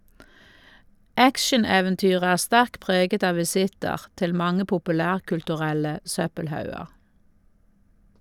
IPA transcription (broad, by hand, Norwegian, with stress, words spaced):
ˈækʃəneːʋɛnˌtyːʁ ˈæː ˈstæʁk ˈpʁeːɡət ˈɑː ʋɪˈsɪtəʁ ˈtɪl ˈmɑŋə pʊpʉˈlæːʁkʉltʉˌʁɛlə ˈsœpəlˌhɑʉəʁ